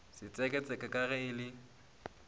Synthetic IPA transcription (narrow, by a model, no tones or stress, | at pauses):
sɪt͡sʼɛkʼɛt͡sʼɛkʼakʼaɣɛɪlɪ